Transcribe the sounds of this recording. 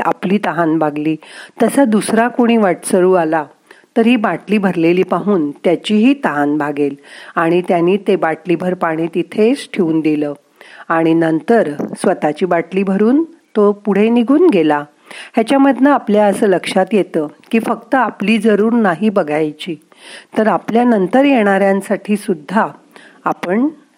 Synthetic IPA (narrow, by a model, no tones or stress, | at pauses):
a̰pliːt̪əɦanbʱaɡliːt̪əsad̪usɾakoɽ̃iːʋaʈsəɭuːala | t̪əɾɦiːbaʈliːbʱəɾleliːpaɦuːnt̪jat͡ɕiɦiːt̪əɦanbʱaɡelaɽ̃it̪janiːt̪ebaʈlibʱəɾpaɽ̃iːt̪it̪ʰesʈʰeuːnd̪iləː | aɽ̃inənt̪əɾsʋət̪at͡ɕiːbaʈliːbʱəɾuːnt̪opuɽ̤eniɡʱuːnɡela | ɦjat͡ɕaməd̪ʱnaapljaəsəːləkʂat̪jet̪əːkiːfək̚t̪əapliːd͡zəɾuːɾnaɦibəɡʱajt͡ɕiː | t̪əɾapljanənt̪əɾjeɽ̃aɾjansaʈʰiːsud̪ʱːaː | pəɳ